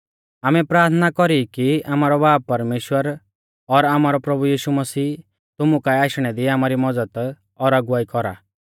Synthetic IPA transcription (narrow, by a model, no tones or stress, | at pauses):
aːmɛpɾaːɾt̪ʰənakɔɾikiaːmaːɾɔbaːb̚pːɐɾmeːʃwəɾ | ɔɾaːmaːɾɔpɾɐbujiːʃumɐsiː | t̪ʊmukaiaːʃɽ̃ɛd̪iaːmaːɾimɔd͡zəd̪ | ɔɾɐɡʊʋaːikɔɾa̰ː